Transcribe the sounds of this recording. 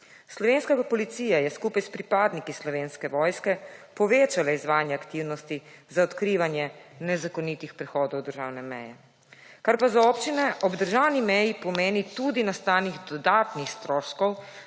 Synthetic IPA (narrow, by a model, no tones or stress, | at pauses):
slɔʋeːnskapɔlit̪siːjajɛskuːpajspɾipaːd̪nikislɔʋeːnskɛʋɔːjskɛpɔʋeːt͡ʃalaizʋaːnjɛakt̪iːwnɔst̪izaɔt̪kɾiːʋanjɛnɛzakɔnit̪ixpɾɛxɔːd̪ɔwd̪əɾʒaːwnɛmɛjɛ | kaɾpazaopt͡ʃinɛʔɔbd̪əɾʒawnimɛjipɔmeːnit̪ud̪inast̪aːniɣd̪ɔd̪aːt̪nixst̪ɾɔːʃkɔw